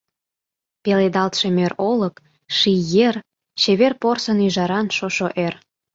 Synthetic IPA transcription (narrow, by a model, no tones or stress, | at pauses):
peled̪ɑlt̪ʃemøɾoləp | ʃijer | t͡ɕeβerporsənyʒɑɾɑnʃoʃoʔer